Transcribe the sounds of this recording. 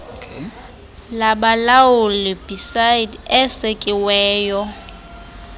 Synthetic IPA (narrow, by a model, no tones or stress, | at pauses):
laɓalawʊlɪb̥isajdɛsekʼɪwɛːjɔ